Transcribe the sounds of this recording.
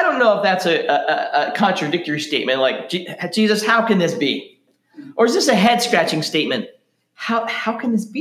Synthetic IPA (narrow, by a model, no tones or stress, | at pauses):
ɪɾõʊ̃nːoʊəfðætsɨʔəəkʰɑ̃nt͡ʃɹ̥ɨdɪk̚tə˞isteɪt̚mɨ̃nʔlaɪk̚d̥id̥ʒ̥izɨshaʊkɨ̃nðɪsb̥i | ʔə˞ɨzðɪsɨɦɛd̥skɹæt͡ʃɪ̃ŋsteɪt̚mɨ̃nt̚ | haʊhaʊkʰɨ̃nðɪsb̥i